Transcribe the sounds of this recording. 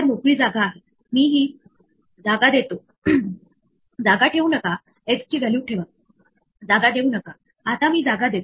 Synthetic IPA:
əɾmokɭiːd͡zaɡaːɦe | miːɦiː | d͡zaɡad̪et̪o | d͡zaɡaʈʰeunəka | est͡ɕiːɡʱaljiuʈʰeʋa | d͡zaɡad̪eunəka | at̪amiːd͡zaɡad̪et̪o

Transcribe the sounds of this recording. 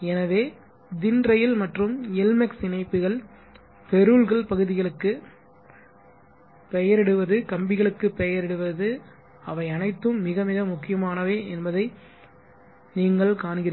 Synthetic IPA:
ɛnɐʋeː | d̪ɪndrɐjɪlmɐʈrɯmɛlmɛksɪnɐɪpːɯɣɐɭ | pɛɾɯɭɣɐɭpɐɣɯðɪɣɐɭɯkːɯ | pɛjɐɾɪɽɯʋɐðɯkɐmbɪɣɐɭɯkːɯpɛjɐɾɪɽɯʋɐðɯ | ɐʋɐɪɐnɐɪt̪ːɯmːɪɣɐmɪɣɐmʊkːɪjɐmaːnɐʋeːʔɛnbɐðɐɪ | niːŋɡɐɭkaːnɣɪɾ

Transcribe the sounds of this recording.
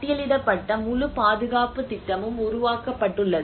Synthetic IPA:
ʈːɪjɐlɪɽɐpːɐʈːɐmʊlʊpaːðɯɣaːpɯt̪ːɪʈːɐmɯmʊɾʊʋaːkɐpːɐʈːɯɭːɐðɯ

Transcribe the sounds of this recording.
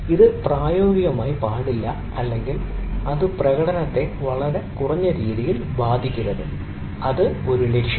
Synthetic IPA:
iðɨpraːjo̞ːɡiɣɐmaːjipaːɽilːɐ | ɐlːe̞ŋɡilɐðɨprɐɣɐɽɐnɐt̪ːe̞ʋɐɭɐɾe̞kurɐɲːɐɾiːðijilbaːd̪ʱikʲːuɾɐðɨ | ɐðɨo̞ɾulekʂjɐ

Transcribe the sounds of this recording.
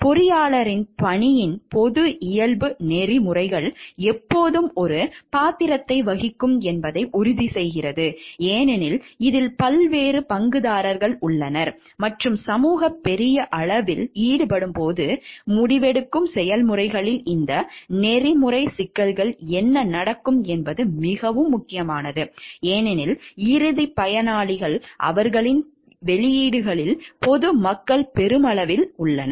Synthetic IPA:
pɔɾɪjaːɭɐɾɪnpɐɳɪjɪnpɔðɯʔɪjɐɭbɯnɛrimʊrɐɪɣɐɭɛpːoːðɯmɔɾɯpaːt̪ɪɾɐt̪ːɐɪʋɐɣɪkːɯmɛnbɐðɐɪʔʊɾʊðisɛjɣɪrɐðɯeːnɪnɪlɪðɪlpɐlʋeːrɯpɐŋɡɯðaːɾɐɾɣɐɭʊɭːɐnɐɾ | mɐʈrɯmsɐmuːɣɐpːɛɾɪjɐʔɐɭɐʋɪliːɽɯpɐɽɯmpoːðɯmʊɽɪʋɛɽɯkːɯmsɛjɐlmɯrɐɪɣɐɭɪlɪnd̪ɐnɛrimʊrɐɪsɪkːɐlɣɐɭɛnːɐnɐɽɐkːɯmɛnbɐðɯmɪɣɐʋɯmːʊkːɪjɐmaːnɐðɯeːnɛnɪlɪɾɯðipɐjɐnaːɭɪɣɐɭʔɐ̰ʋɐɾɣɐɭɪn | ʋɛɭɪjiːɽɯɣɐɭɪlpɔðɯmɐkːɐɭpɛɾɯmɐɭɐʋɪlʊɭːɐnɐɾ

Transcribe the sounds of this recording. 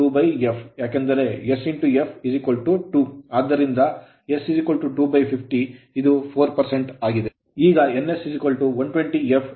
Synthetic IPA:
uːbɐjepʰjaːkend̪ɐɾe̞esiɳʈuepʰizikʋɐlʈuʈuaːd̪ːɐɾind̪ɐ | esizikʋɐlʈuʈuːbɐjpʰipʰʈi | id̪upʰoːɾpɐɾse̞ɳʈaːɡid̪e̞ | iːɡɐenːesizikʋɐlʈuʋɐɳʈʋeɳʈiepʰ

